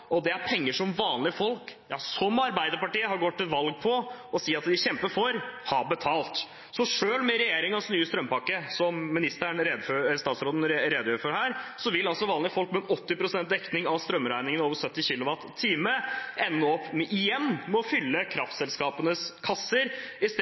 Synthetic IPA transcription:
ʔɔd̪ɛæɾpʰɛŋːəʂɔmʋɑːnlɪəfɔlkjɑ̰ːsɔmɑɾbæɪd̪əɾpɑʈiːəɦɑɾɡɔt̪ːɪlʋɑlɡ̚pʰɔɔsiːɑt̪d̪ɪçɛmpəfɔɾhɑbət̪ʰɑːlt̪ | sɔʂøːlmɛɾɛjeːɾɪŋɑsɔnyːəst̪ɾœmpɑkːəsɔmːɪnɪst̪əɳɾeːd̪føst̪ɑːt̪sɾoːd̪n̩ɾɾeːd̪əjøːɾəfɔɾhæːɾsɔʋɪlːɑlsɔʋɑːnlɪəfɔlk̚mɛnɔt̪ːɪpɾʊsɛnt̪̚d̪ɛknɪŋɑʋst̪ɾœmːɾæɪnɪŋənoːʋəsœt̪ːɪçɪlʊʋɑt̪ʰːiːməʔɛnːɔɔpːmɛʔɪjɛnːmɛɔfʏlːəkʰɾɑft̪sɛlskɑːpənəskʰɑsːəɾɪst̪

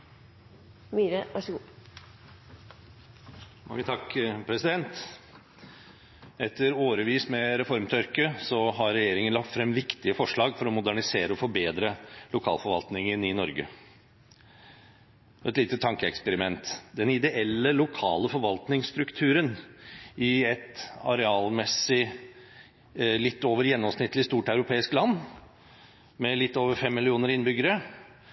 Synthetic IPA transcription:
miːɾəʋɑʂəɡuː | mɑ̰ŋːət̪ʰɑkpʰɾɛsɪd̪ɛnt̪ | ɛt̪ʰːəɾoːɾəʋiːsmɛɾɛfɔɾmt̪ʰœɾkəsɔɦɑɾɾɛjeːɾɪŋənlɑk̚t̪fɾɛmʋɪkt̪ɪəfɔʂɭɑːɡfɔɾɔmʊd̪æɳɪseːɾəɔfɔɾbeːd̪ɾəlʊkʰɑ̰ːlfɔɾʋɑ̰lt̪nɪŋənɪnɔɾɡə̰ | ɔɛt̪liːt̪ət̪ʰɑŋkəɛkspɛɾɪmɛnt̪d̪ɛnɪd̪ɛʔɛlːəlʊkʰɑ̰ːləfɔɾʋɑlt̪nɪŋsst̪ɾʉkt̪ʰʉːɾən | ɪɛt̪ɑ̰ɾɛɑːlmɛsːɪ | lɪt̪ːoːʋəɾjɛnːɔmsnɪt̪ːlɪst̪uːʈɑʉɾʊpʰeːɪsklɑnː | mɛlɪt̪ːoːʋəɾfɛmːɪlɪuːnəɾɪnbʏɡəɾə

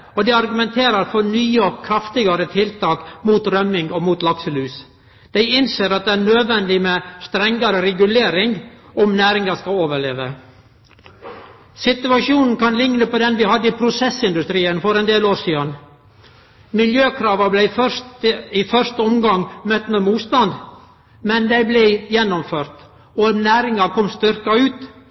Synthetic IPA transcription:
ɔd̪ɛɑɾɡʉmɛnt̪ʰeːɾɑɾfɔɳyːəkʰɾɑft̪ɪɡɑɾət̪ʰɪlt̪ʰɑːkmuːt̪ɾœmɪŋɡɔmuːt̪lɑksəlʉːs | d̪̥æɪɪnseːɾɑt̪̚d̪ɛæːɳøːd̪ʋɛnd̪ɪmest̪ɾɛŋɡɑɾəɾɛɡʉleːɾɪŋɡɔmnæːɾɪŋɑskɑoːʋəɭeːʋə | sɪt̪ʉɑʂuːnn̩kɑnlɪŋnəpɔd̪ɛnʋɪhɑd̪ːəipʰɾʊsɛsɪnd̪ʉst̪ɾiːənfɔɾɛnd̪eːloːɾʂiːən | mɪljøːkʰɾɑːʋɑblæɪfœtifœʂt̪əɔmɡɑŋmœt̪ːmɛmuːt̪st̪ɑnd̪ | mɛnd̪æɪblɛɪjɛnːɔmføːɾt̪ | ɔnæːɾɪŋɑkʰɔmst̪ʏɾkɑʉːt̪

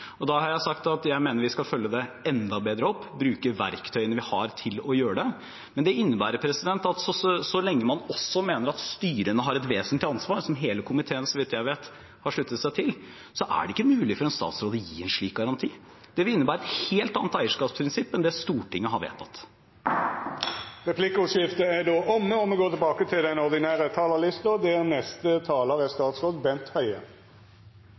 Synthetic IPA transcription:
ɔd̪ɑhɑɾjæɪsɑkt̪ɑt̪jæɪmeːnəɾʋɪskɑlfœlːəd̪ɛɛnd̪ɑbeːd̪ɾəɔpːbɾʉːkəʋæ̰ɾkt̪ʰœʏənəʋɪhɑɾt̪ʰɪlɔjøːəɖɛ | mɛnd̪ɛɪnːəbæːɾəpʰɾɛsɪd̪ɛnt̪ɑt̪sɔsɔlɛŋːəmɑnɔsːɔmeːnəɾɑt̪st̪yːɾənəɦɑɾɛt̪ʋeːsənt̪ɪɑnsʋɑːɾsɔmɦeːləkʰʊmɪt̪ʰeːənsɔʋɪt̪jæɪʋeːt̪ | hɑʂɭʉt̪ːət̪sæɪt̪ʰɪl | sɔʔæ̰ɖɛɪkːəmʉːlɪfɔɾɛnst̪ɑ̰ːt̪sɾoːd̪əjḭːɛnʂɭiːk̚ɡɑɾɑnt̪ʰiː | d̪̥ɛʋɪɪnːəbæːɾəɛt̪heːlt̪ɑːnət̪æɪəʂkɑːpspʰɾɪnsɪpːɛnd̪ɛst̪uːʈɪŋːəɦɑɾʋḛːt̪ʰɑt̪ | ʁɛpʰlɪkəʊsɪft̪əæd̪oːʔɔmːəɔmɛɡoːt̪ʰɪlbɑːkət̪ʰɪld̪ɛnɔʁd̪ɪnæːʁət̪ʰɑːləlɪst̪ɔd̪ɛnɛst̪ət̪ʰɑːləʁɛst̪ɑːt̪sʁoːd̪bɛnt̪hœʏə̰

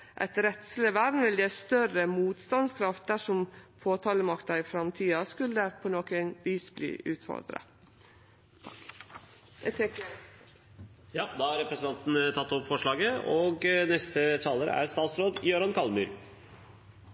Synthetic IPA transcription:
ʔɛ̰ɪt̪ɾɛt̪sl̩əʋæɾnʋɪljeːst̪œɾəmuːt̪st̪ɑnskʰɾɑft̪̚d̪æʂɔmpʰoːt̪ʰɑːləmɑkt̪ɑɾɪfɾɑmt̪ʰiːɑskʉlːəpʰonoːkɛnʋiːsblḭːʔʉːt̪fɔ̰ɾd̪ɾə̰ | jɑːd̪ɑhɑɾɛpɾəsən̩ɑnt̪nt̪ʰɑt̪ːɔpfɔʂɭɑːɡəoːɡnɛst̪ʰət̪ʰɑːləɾə̰æ̰ɾst̪ɑːt̪sɾoːd̪jøːɾɑnkʰɑlmʉːɾ

